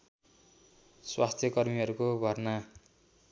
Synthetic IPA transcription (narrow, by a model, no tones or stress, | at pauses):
swast̪ʰjʌkʌrmiʌɾukobʱʌrna